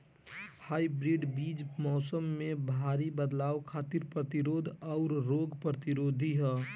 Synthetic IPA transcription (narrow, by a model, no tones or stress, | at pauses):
haːibɾiɖbiːd͡ʒmɔːsəmːẽbʱaːɾibəd̪laːwkʰaːt̪ɪɾpɾət̪ɪɾoːd̪ʱɔʊɾɾoːɡpɾət̪ɪɾoːd̪ʱiɦɛː